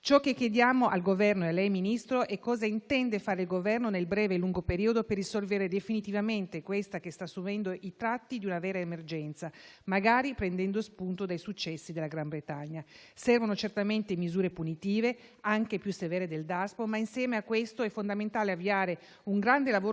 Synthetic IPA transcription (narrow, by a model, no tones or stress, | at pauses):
t͡ʃɔkːekːjed̪jaːmoʔalɡovɛrnoealːɛjminist̪ɾoʔɛkːɔːzaint̪ɛnd̪efaːɾeilɡovɛrnonelbɾɛːveːlːuŋɡopeɾiːod̪operːisolveɾed̪efinit̪ivament̪ekwest̪akest̪aːsːuvɛnd̪oʔit̪ɾat̪ːid̪iunavɛːɾaemerd͡ʒɛnt̪samaɡaːɾipɾend̪ɛnd̪ospunt̪od̪ajsut͡ʃːɛsːid̪elːaɡɾambɾet̪aɲːasɛrvonot͡ʃert̪ament̪emizuːɾepunit̪iːveaŋkepjusːevɛːɾed̪eld̪aspomainsjɛːmeakːwest̪oɛfːond̪ament̪aːleavːiaːɾe | uŋɡɾand̪elavoː